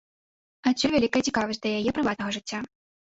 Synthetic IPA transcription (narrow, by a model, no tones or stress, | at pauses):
auvʲalʲikɐjt͡sʲikavɐsʲt̚ʲd̪lʲɐjajɛpɾɨvat̪nɐɣɐʐɨt͡sʲːa